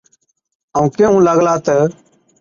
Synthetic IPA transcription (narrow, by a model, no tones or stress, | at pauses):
əũːkeːɦũːləɡlaːt̪ə